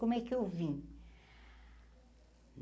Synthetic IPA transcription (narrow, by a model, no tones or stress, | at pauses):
omɛkewvĩ